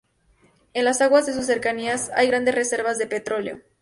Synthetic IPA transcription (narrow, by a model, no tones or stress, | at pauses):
enlasaɣwazðes̬us̬ːe̞ɾkaniasa̰jɣɾand̪e̞sre̞se̞ɾβazðe̞pe̞t̪ɾo̞ljo̰